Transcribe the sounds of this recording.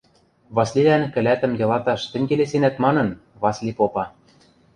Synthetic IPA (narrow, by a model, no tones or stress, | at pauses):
βɑslʲilænkɘ̆læt̪ə̆mjɤ̆lɑt̪ɑʃt̪ɘ̆ŋʲɡelesenæt̪mɑnɤ̆n | βɑslʲipopɑ